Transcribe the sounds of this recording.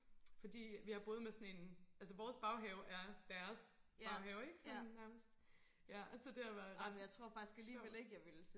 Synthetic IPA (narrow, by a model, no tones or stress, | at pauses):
fɒ̽d̥ḭːʋihɑ̈b̥o̝ːð̞̩ˠmesɒ̽ne̝nʔælsəʋɒːsb̥ɑ̈ʊɦɛʊʔæɐd̥æɐsbɑ̈ʊɦɛʊeɡ̥sɔ̽næɐməsd̥ | jææsɒd̥e̝hɑʋæɐðˠɑ̈d̥äɪt͡sʰʁo̝ɐ̰fɑ̈ɡ̥i̥sɡ̥æliːʋeleɡ̥jɑ̈ɪʋel